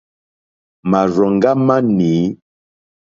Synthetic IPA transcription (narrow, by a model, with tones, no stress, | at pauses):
ma˨ɾɔ˨ŋ˦ɡa˦ma˦niː˨˦